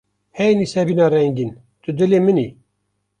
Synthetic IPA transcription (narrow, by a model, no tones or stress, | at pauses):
hɛjnisɛbinɑɾɛŋɡin | t̪ɨd̪ɨlemɨni